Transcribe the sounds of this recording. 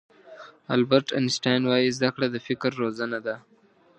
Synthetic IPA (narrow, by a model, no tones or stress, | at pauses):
albəɾʈa̰nsʈajnwajizd̪akɽad̪əfɪkɾːozanad̪a